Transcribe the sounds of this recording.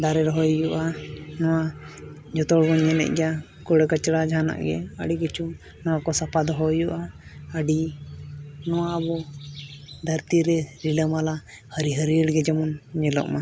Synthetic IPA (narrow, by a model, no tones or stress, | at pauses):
d̪aɾɛɾɦɔjjuʔanɔwa | d͡ʒɔt̪ɔɽɡɔnɲɛnɛ̰ʔ̚ɡja | kɔɽɛkət͡ʃɽad͡ʒʱana̰ʔɡɛ̰ə̰ɖiɡət͡ʃu | nawakɔsapad̪ɔɦɔjuʔaəɖi | nɔwaːbɔ | d̪ʱəɾt̪iɾɛɾiləmala | həɾiɦəɾiəɽɡɛd͡ʒɛmɔnɲɛlɔ̰ʔma